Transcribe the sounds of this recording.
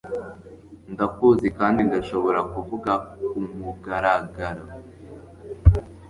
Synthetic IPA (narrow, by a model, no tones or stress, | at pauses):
ndakuːzikaːndindaʃo̞βo̞ɾakuvuɡaumuɡaɾaɡaɾo